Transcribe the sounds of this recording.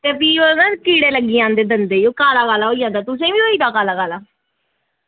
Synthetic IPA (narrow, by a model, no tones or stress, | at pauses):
t̪eːpiːonaːkiːɽeːləɡːiːãːnd̪eːd̪ənd̪eːoːkaːlaːkaːlaːɦoːiːãːnd̪aːt̪ʊs̬ẽːʋiːɦoːiːd̪aːkaːlaːkaːlaː